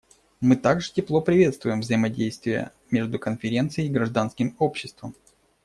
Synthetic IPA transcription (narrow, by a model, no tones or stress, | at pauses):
mɨt̪aɡʐɨtʲɪplˠo̞pɾʲɪvʲe̞t̪st̪vʊjɪmvzəɪmɐdʲejst̪vʲɪjə̰ | mʲeʐd̪ʊkənfʲɪɾʲe̞nt̪sɨjɪiɡɾɐʐd̪anskʲɪmo̞pɕːɪst̪vəm